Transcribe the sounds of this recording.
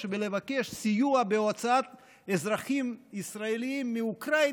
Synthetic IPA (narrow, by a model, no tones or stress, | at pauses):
ʃvelevakeʃsijuabeot͡saat̪ | ezɾaχimisɾaeliimːiukɾa